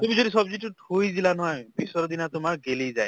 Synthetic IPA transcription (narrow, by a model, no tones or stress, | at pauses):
t̪umizod̪isɔbziʈuʈʰujdilanɔɦɔjbisɔɾɔd̪inat̪umaɾɡelijzaj